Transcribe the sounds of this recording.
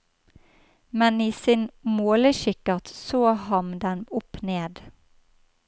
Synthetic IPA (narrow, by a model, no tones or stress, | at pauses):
mɛniːsinmoːləʃɪkəʁt̪soːhɑnd̪ɛnʊpneːd̪